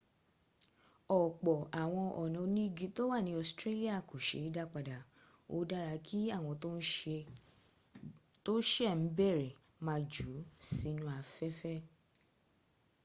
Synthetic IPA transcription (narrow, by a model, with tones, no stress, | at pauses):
ɔ˨k͡pɔ˨ʔa˨w̃ɔ̃˧ɔ˨nɔ̃˨˧˦nĩ˦ɡi˧˦to˦wa˦˨nĩ˧˦ɔ˨stɾe˦li˦a˦˨ko˨ʃḛ˨˦i˦da˧k͡pa˨da˨o̰˧da˦ɾa˧kʰi˦a˦˨w̃ɔ̃˧to˦n̩˦ | to˦ʃɛ˦˨n̩˨˦bɛ˦˨ɾɛ˨mã˧d͡ʒu˨˦si˦˧nũ˧˦a˧fɛ˦fɛ˦